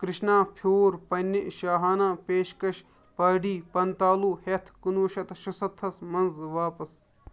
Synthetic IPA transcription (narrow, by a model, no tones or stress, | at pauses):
kɾɪʃnaːpʰoːɾpɐnʲːiʔʃaːɦaːnaːpeːʃkɐʃ | pɐːɖiːpɐnt̪aːluːhet̪ʰkunʋɐʃɐt̪ʃɐsɐt̪ʰːɐsmɐnzʋaːpɐs